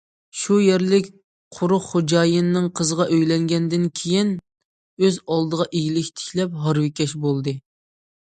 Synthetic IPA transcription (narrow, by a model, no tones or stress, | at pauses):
ʃujeɾlɪkʲ | qʰʊɾʊχχod͡ʒɑːjɨnːɨŋqʰəzəʁɑʔøjlɛŋɡʲɛnd̪ɪnkʲʰejin | øzɑlˠd̪əʁɑʔeɡʲilɪkʲt̪ʰɪ̥kʲlɛp̚ɦɑɾwɪkʲɛʃbolˠd̪ɨ